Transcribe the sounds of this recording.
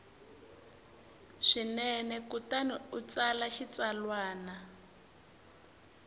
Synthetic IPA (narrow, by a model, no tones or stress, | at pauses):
ʂinɛnɛkutaniut͡salaʃit͡salwaːna